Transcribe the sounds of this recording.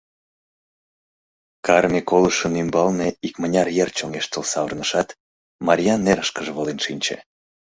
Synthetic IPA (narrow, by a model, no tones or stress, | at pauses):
kɑrmʲekoləʃənymbɑlneikmənʲɑrjert͡ɕoŋeʃt̪əlsɑβərnəʃɑt̪ | mɑɾʲijɑnːeɾəʃkəʒβolenʃinʲt͡ɕḛ